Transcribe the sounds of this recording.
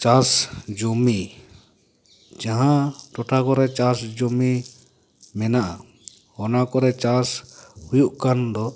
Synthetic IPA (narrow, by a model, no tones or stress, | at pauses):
t͡ʃasd͡ʒumi | d͡ʒaɦãʈɔʈʰakɔɾɛt͡ʃasd͡ʒumi | mɛnaʔa | ɔnakɔɾɛt͡ʃashujuʔkand̪ɔ